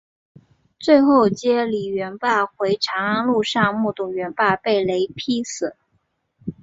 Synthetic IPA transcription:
t͡swe˥˧ɪxo˥˧ʊt͡ɕjɛ˥li˨˩ɥɛ˧˥npa˥˩xwe˧˥ɪʈ͡ʂʰɑ˧˥ŋa˥nlu˥˧ʂɑ˥˧ŋmu˥˩t̪ʊ˨˩ŋɥɛ˧˥npa˥˧pe˥˩ɪle˧˥ɪpʰi˥sɹ̩˨˩˦

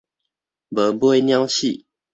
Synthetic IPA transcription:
bə˨˦bu˦we˥˩nja˦ŋɕi˥˨

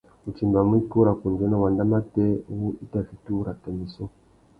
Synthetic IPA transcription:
u˨t͡ʃi˨mba˨mu˦i˦ku˦ɾa˨ku˨nd͡ʒe˦na˦˨wa˨nda˦ma˦te˦u˦i˦ta˨vi˨tu˦ɾa˨te˨mi˨so˦

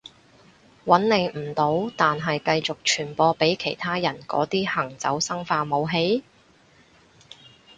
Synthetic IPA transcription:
wɐ˨˥nle˨˧jm̩˨˩t̪o˨˥wt̪aː˨nɦɐ˨jkɐ˧jt͡sʊ˨k̚t͡ʃʰyː˨˩npɔː˧pe˨˥jkʰe˨˩jt̪ʰaː˥jɐ˨˩nkɔ̰ː˨˥t̪iː˥hɐ˨˩ŋt͡sɐ̰˨˥wsɐ˥ŋfaː˧mo˨˧wɦe˨˥j

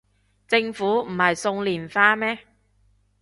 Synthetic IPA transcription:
t͡sɪ˧ŋfuː˨˥m̩˨˩hɐ˨jsʊ˧ŋliː˨˩nfaː˧mɛː˥

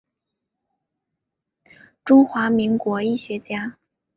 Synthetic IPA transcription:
ʈ͡ʂʊ˥ŋxwa˧˥mi˧˥ŋkwɔ˧˥i˥˩ɕɥɛ˧˥t͡ɕja˥

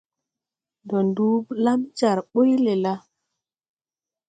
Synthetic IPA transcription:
ndɔ˨ndu˦bla˦mt͡ʃa˨ɾɓo˦jle˨la˦

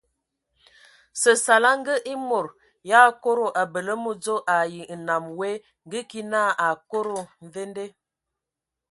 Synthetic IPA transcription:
sə˨sa˨la˦ŋ˦ɡə˦ʔi˦mo˨ɾ | ja˦ko˦ɾo˨ʔa˨bə˨lə˦mo˦d͡zo˦ʔa˨ji˨na˨mwe˦ | ŋ˦ɡə˦ki˦na˦˨ʔa˨ko˦ɾo˦n˨ve˦nde˦

